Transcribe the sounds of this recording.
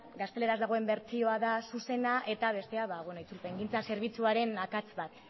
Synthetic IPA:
ɡast̪e̞le̞ɾazd̪aɣoe̞mbe̞ɾt͡sio̞aðasuse̞naʔe̞t̪aβ̞e̞st̪e̞aβaβwenoit͡sulpe̞ŋɡint͡sase̞ɾβ̞it͡suaɾe̞nakat͡sβat̪

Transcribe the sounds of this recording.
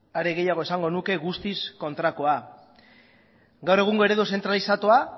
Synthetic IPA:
aɾe̞ɣ̞e̞jaɣ̞o̞e̞saŋɡo̞nuke̞ɣust̪isko̞nt̪ɾakoa | ɡawɾre̞ɣ̞uŋɡo̞e̞ɾe̞ðuos̬e̞nt̪ɾalisat̪oa

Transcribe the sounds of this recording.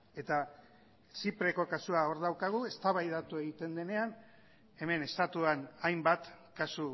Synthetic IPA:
e̞t̪a | t͡ʃipɾe̞ko̞kasuao̞ɾðawkaɣ̞ue̞st̪aβajðat̪ue̞ɣit̪e̞nd̪e̞ne̞an | e̞me̞ne̞st̪at̪uanajmbat̪ | kasu

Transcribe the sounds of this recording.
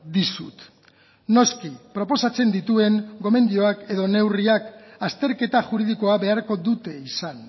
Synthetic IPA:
d̪isut̪ | no̞skipɾo̞po̞sat͡se̞nd̪it̪ue̞ŋɡo̞me̞nd̪io̞ake̞ðo̞ne̞wriakast̪e̞ɾke̞t̪aʝuɾiðiko̞aβe̞aɾko̞ðut̪e̞isan

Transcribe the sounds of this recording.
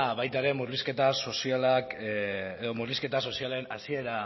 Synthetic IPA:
βajt̪aeɾe̞muɾliske̞t̪aso̞sialakeðomuɾliske̞t̪aso̞sialenasie̞ɾa

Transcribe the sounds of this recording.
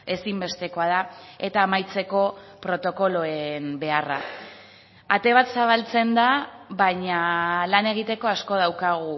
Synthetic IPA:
e̞simbe̞st̪e̞ko̞að̞ae̞t̪aːmajt͡se̞ko̞ | pɾo̞t̪o̞ko̞lo̞embe̞ara̰ | at̪e̞βat̪saβ̞alt͡se̞nd̪aβaɲalane̞ɣ̞it̪e̞ko̞asko̞ð̞awkaɣ̞u

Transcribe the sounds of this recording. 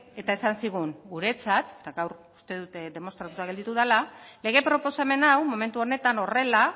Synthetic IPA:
e̞t̪ae̞sansiɣ̞uŋɡuɾe̞t͡sat̪et̪aɡawɾu̥st̪e̞ðut̪d̪e̞mo̞nst̪ɾat̪ut̪aɣe̞ld̪it̪uðalale̞ɣ̞e̞pɾo̞po̞same̞nawmo̞me̞nt̪uo̞ne̞t̪ano̞re̞la

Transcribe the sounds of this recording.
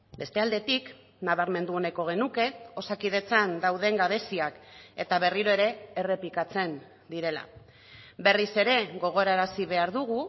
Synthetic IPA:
be̞st̪e̞ald̪e̞t̪ik | naβaɾme̞nd̪uo̞ne̞ko̞ɣ̞e̞nuke̞o̞sakið̞e̞t͡sand̪awðe̞ŋɡaβe̞siake̞t̪aβ̞e̞riɾo̞e̞ɾe̞ːre̞plikat͡se̞n | d̪iɾe̞la̰ | be̞rise̞ɾe̞ɣo̞ɣ̞o̞eɾaeɾasiβe̞aɾðuɣ̞u

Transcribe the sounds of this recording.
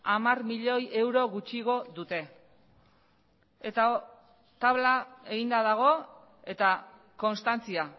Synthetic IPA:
amarmiʎo̞je̞wɾo̞ɣut͡ʃiɣo̞ðut̪e̞ | et̪a | t̪aβlae̞ɣind̪aðaɣ̞o̞ | e̞t̪a | ko̞nst̪ant͡sia

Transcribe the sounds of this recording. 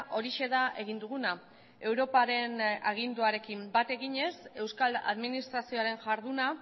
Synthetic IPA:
ʔo̞ɾiʃe̞ðaʔe̞ɣ̞ind̪uɣuna | e̞wɾo̞paɾe̞naɣ̞ind̪uaɾe̞kimbat̪e̞ɣiɲe̞se̞wskala̰ðminist̪ɾasio̞aɾe̞nʝaɾðuna

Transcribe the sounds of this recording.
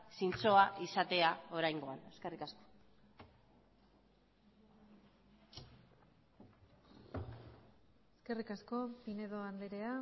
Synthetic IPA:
sint͡so̞aʔisat̪e̞ao̞ɾajŋɡo̞ane̞ske̞rikasko̥ | ske̞rikasko̞pine̞ð̞o̞and̪eɾe̞a

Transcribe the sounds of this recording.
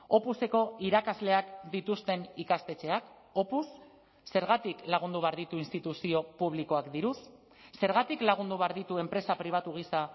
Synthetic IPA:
o̞puse̞ko̞iɾakazle̞akd̪it̪ust̪e̞nikast̪e̞t͡ʃe̞ak | o̞pusː | e̞ɾɣ̞at̪iklaɣ̞und̪uβe̞aɾðit̪uinst̪it̪usio̞puβ̞liko̞akd̪iɾus | se̞ɾɣ̞at̪iklaɣ̞und̪uβaɾðit̪ue̞mpɾe̞sapɾiβ̞at̪uɣ̞isa

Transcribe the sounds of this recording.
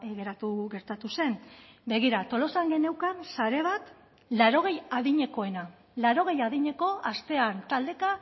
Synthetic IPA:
ɣe̞ɾat̪uɣe̞ɾt̪at̪use̞nbe̞ɣ̞iɾat̪o̞lo̞saŋɡe̞ne̞wkansaɾe̞β̞at̪ | laɾo̞ɣ̞e̞jaðiɲe̞ko̞e̞na | laɾo̞ɣ̞e̞jaðiɲe̞ko̞ast̪e̞ant̪ald̪e̞ka

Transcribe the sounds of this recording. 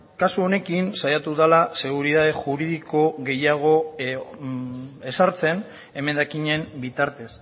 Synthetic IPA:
kasuo̞ne̞kinsajat̪uðalase̞ɣ̞uɾiðaðe̞ʝuɾið̞iko̞ɣe̞jaɣ̞o̞ | e̞saɾt͡se̞n | e̞me̞nd̪akiɲe̞mbit̪aɾt̪e̞s

